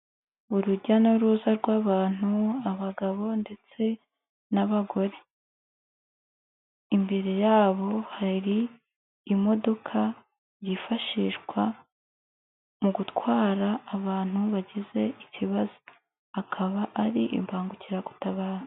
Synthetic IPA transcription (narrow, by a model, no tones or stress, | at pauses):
uɾuɟanoɾuːzaɾɡwaːβaːn̥uaβaɡaβo̞nde̞t͡se̞ | naβaɡo̞ɾe̞ | imbeɾejaːβo̞haɾiː | mo̞do̞kʰa | jifaʃiʃɡwa | muɡutwaːɾaːβaːn̥huβaɟeze̞iciβazo | akʰaβaʔːɾiʔḭmbaːŋɡuciɾaɡutaβaːɾa